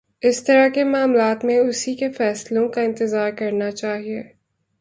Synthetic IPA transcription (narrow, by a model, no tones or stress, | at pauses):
ɪst̪ɐɾakemaːmlaːt̪mẽʊsikefɛːslõkaɪ̃nt̪ɪzaːɾkɐɾnat͡ʃaːɦieː